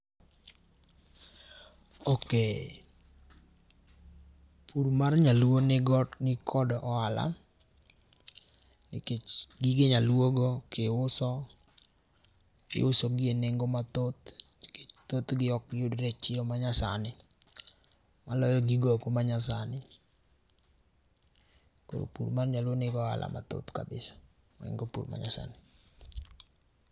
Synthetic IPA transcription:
oke | pʰuɾmaɾɲalwonɪɡɔnɪkʰɔdɔʔɔala̰ | nɪkeɡiɡɪɲalwoɡokeʊsɔ | kɪ̰ʊsɔɡɪeneŋɡomat̪ot̪ | t̪ot̪ɡɪɔkɪʊdɾɛt͡ʃɪɾɔmaɲasa̰nɪ | malɔjɔɡiɡokomaɲas̬anɪ | ko̰ɾo̰pṵɾmanɲalwonɪɡɔa̰lʔa̰ma̰t̪o̰t̪ka̰bɪsḁ | maɪ̰ŋɡopṵɾma̰ɲa̰sa̰nɪ

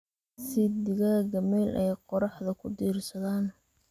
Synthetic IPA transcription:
sɪd̪ɪɣɐɐɡɐmiːlʔɛjqɔɾɑħðɐkʰʊd̪iːrsɐðaːn

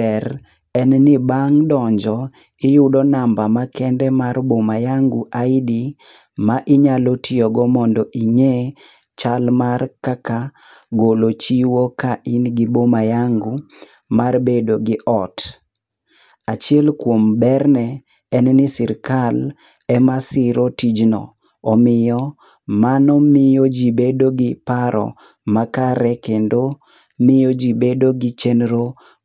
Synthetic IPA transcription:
ɛɾ | ɛnnɪbaŋdɔɲd͡ʒɔ | ɪjʊdɔnambamakɛndɛmarbomajaŋɡuʔajdi | maʔɪɲalotʰijoɡɔmɔndɔʔiɲe | t͡ʃalmarkaka | ɡolot͡ʃiwokaʔinɡibomajaŋɡu | marbedoɡɪʔɔt | at͡ʃɪɛlkwombɛrnɛ | ɛnnɪsɪɾkal | ɛmasɪɾotid͡ʒnɔ̰ | ɔmɪjɔ | manɔmɪjɔd͡ʒibedoɡɪpaɾɔ̰ | makaɾɛkendo | mɪjɔd͡ʒibedoɡɪt͡ʃɛnɾo

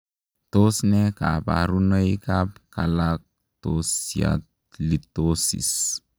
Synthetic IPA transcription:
tosnɛkapa̰ɾunəikap̚kalak̚ | tosia̰t | litosḭs

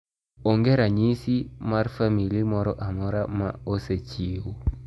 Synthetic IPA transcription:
ɔŋɡɛɾaɲisimarfamilimɔɾɔʔamɔɾama̰oset͡ʃiwo

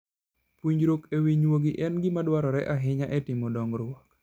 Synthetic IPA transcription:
pwiɲd͡ʒɾokɛwiɲwoɡɪʔɛnɡimadwaɾɔɾɛʔaɦɪɲaʔɛtɪmɔdɔŋɾʊɔk

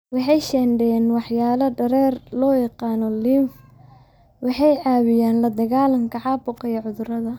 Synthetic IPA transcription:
wɑħɑjʃɛnɖɛjɛːnwɑħjaːlɐɖɐɾɛːrlɔːjɛqɑːnɔlimf | wɑħɑjʕaːβɪjaːnlɐd̪ɐɣaːlɐŋkʰɐʕɑːbʊqɐjɐʕʊðʊɾɐðɐ

